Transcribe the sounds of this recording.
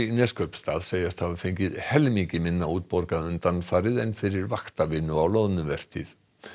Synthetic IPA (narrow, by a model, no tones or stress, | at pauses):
nɛːskʰœpst̪aːðseːjast̪havafejɲcɪðhɛlmiŋcɪmɪnːauːt̪̚pɔɾkaʏnt̪anːfaːɾɪðɛjnfɪɾɪɾvaxt̪avɪnːʏawlowðnʏvɛr̥t̪ɪ̰ð